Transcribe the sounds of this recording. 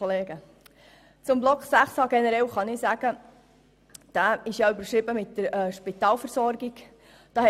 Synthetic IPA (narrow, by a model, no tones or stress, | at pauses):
oleːɡə | t͡sʊmblɔkχsæχsɑɡɛnəɾɛwχɑnɪsæɡ̥ə | d̥æːɪʃjɑybəɾʃɾɪbəmɪtːəɾɛʃpɪt̪ɑːlfəɾsɔɾɡiɡ̥ | d̥ɑːhɛ